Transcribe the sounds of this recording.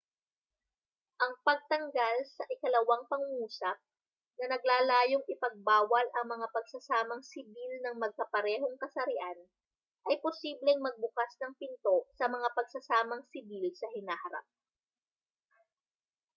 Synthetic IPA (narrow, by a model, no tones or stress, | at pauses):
ʔɐŋpɐɡ̚t̪ɐŋɡalsɐʔɪkɐlɐwaŋpɐŋʊŋuːsɐp̚ | nɐnɐɡ̚laːlaːjoŋʔɪpɐɡ̚baːwɐlʔɐŋmɐŋapɐɡsɐsaːmɐŋsɪbilnɐŋmɐɡ̚kɐpɐɾɛːho̞ŋkɐsɐɾɪʔan | ʔɐjposiːblɛŋmɐɡ̚bʊkasnɐŋpɪnt̪o̞sɐmɐŋapɐɡ̚sɐsaːmɐŋsɪbilsɐɦɪnaːhɐɾa̰p̚